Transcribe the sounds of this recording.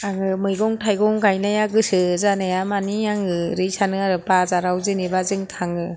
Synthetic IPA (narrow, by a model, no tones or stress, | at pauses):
aŋɯmɯjɡɔŋtʰajɡɔŋɡajnajaɡɯsɯzanɯjamanijaŋɯɾisanɯaɾɯpazaɾawzɯnibazɯŋtʰaŋɯ